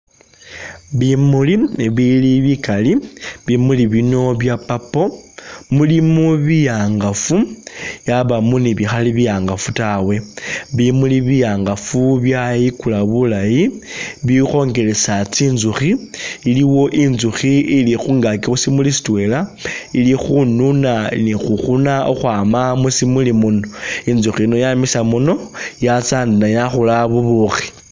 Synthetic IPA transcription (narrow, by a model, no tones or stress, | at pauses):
βimuliβiliβikaliβimuliβino̞βjapapo̞mulimuβijaŋɡafujaβamuniβixaliβijaːŋɡafutawe̞βimuliβijaːŋɡafuβjajikulaβulajiβixo̞ŋɡe̞le̞sat͡siːnzuxiːliwo̞ʔinzuxiilixuŋɡakixusimulisi̥tue̞lailixununanixuxunao̰xwaːmamusimulimunoinzuxiino̞jamisamuno̞jat͡saːndinajaxulaβuβuxi̥